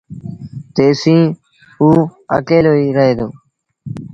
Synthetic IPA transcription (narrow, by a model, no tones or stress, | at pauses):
t̪eːsĩː | uːə̰keːloːiːɾəɦeːd̪oː